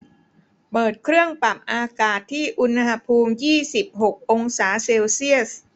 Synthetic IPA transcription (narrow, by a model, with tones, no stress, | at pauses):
pɤː˨˩t̪̚kʰɾɯ˥˩əŋpa˨˩p̚ʔaː˧kaː˨˩t̪ʰːiː˥˩ʔu˧nha˧pʰuː˧mjiː˥˩si˨˩p̚ɦo˨˩k̚ʔo˧ŋsaː˩˦seː˧wsi˥˩əs